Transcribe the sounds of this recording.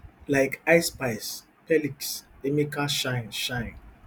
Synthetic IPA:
laɪkaɪspaɪs | pɛliksemikaʃãɪ̃nʃãɪ̃n

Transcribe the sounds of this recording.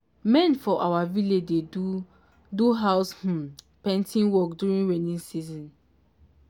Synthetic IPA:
mɛ̃nfɔʔawaviled͡ʒdeu | duɦaʊsh̩ | pɛ̃ntʰĩnwɔk̚djuɹĩnwɛnĩnsizɔ̃n

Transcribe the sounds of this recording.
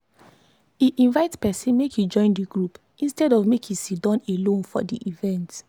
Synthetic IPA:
iʔĩnvaɪtspɛsĩnmekhud͡ʒɔ̃ɪ̃ndiɡɹup | ĩnstɛdɔvmekĩsidɔ̃nelõnfɔ̰diʔivɛ̃nt

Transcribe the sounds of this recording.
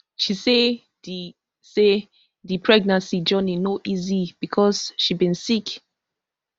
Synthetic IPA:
ʃise | se | dipʰɹɛɡ̚nãnsid͡ʒɔninoʔizib̥ikʰɔsʃibĩnsik

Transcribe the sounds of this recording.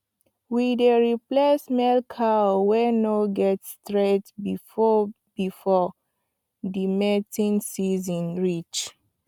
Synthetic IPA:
wideɹiplesmɛlkʰawɛnoɡɛtstɹetbi | bifɔ | dimɛtĩnsizɔ̃nɹit͡ʃ

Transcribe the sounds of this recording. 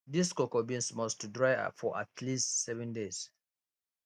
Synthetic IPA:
diskɔkɔbĩnsmɔstdɹaɪa̰fɔʔa̰tʰlistsɛvɛ̃ndes

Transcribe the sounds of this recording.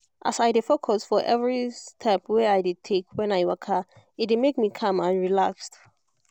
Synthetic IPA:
ʔa̰sajdɪfokʰɔsfɔʔɛvɹistʰɛpwɛajdid̚tʰekʰwɛ̃najwakʰa | ɪt̚dmek̚mikʰãmãnɹilakst

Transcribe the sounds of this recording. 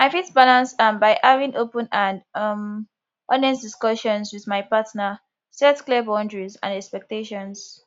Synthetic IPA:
maɪfitbalãnstãnbaɪʔavĩŋʔopə̃nãnʌm | ʔɔnɛsdiskɔʃɔ̃nswiðmaɪpatnə | sɛtklɛbɔ̃ndɹizã̰nɛkspɛk̚teʃɔ̃ns

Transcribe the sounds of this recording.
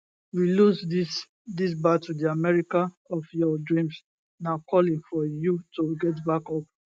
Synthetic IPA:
wilusdis | dis̬batudiamɛɹika | ɔfjɔdɹĩms | nakʰɔlĩŋfɔjutoɡɛt̬bakɔp

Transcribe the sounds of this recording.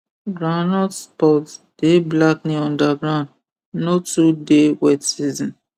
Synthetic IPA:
ɡɾanɔldspɔtd̥eblakniɔ̃ndaɡɾãnd | notudewɛtsizɔ̃n

